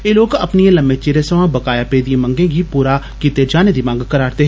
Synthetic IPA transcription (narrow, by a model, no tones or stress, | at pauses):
eloːɡɐpniẽlɐmet͡ʃeːɾesəʋãbɐkaːjapeːd̪iẽmɐ̃ŋɡẽɡipuːɾa | kiːt̪ed͡ʒaːned̪imãːŋɡkɐɾaːɾt̪eɦ